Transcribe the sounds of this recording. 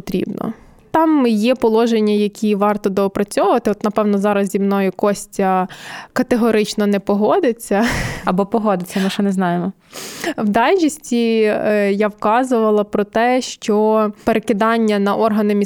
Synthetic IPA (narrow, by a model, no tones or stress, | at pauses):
t̪ɾʲḭbnɔ̰ | t̪ɑmjɛpɔlˠɔʒenʲːɐjɐkʲiʋɑrt̪ɔd̪ɔːpɾɐt͡sʲɔʋʊʋɐt̪ɪɔt̪nɐpɛwnɔzɑɾɐzzʲimnɔjʊkɔsʲtʲɐkɐt̪eɦɔɾɪt͡ʃnɔnɛpɔɦɔd̪ɪt͡sʲːɐɐbɔpɔɦɔd̪ɪt͡sʲːɐmɪʃt͡ʃɛnɛznɑjemɔ | wd̪ɑlʲt͡ʃisʲtʲi | jawkɑzʊʋɐlˠɐpɾɔt̪ɛʃt͡ʃɔpeɾekɪd̪ɑnʲːɐnɐʔɔrɦɐnɪmʲi